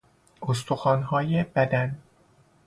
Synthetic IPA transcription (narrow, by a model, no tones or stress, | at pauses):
ost̪ʰoxɒːnɦɒːjebæd̪æn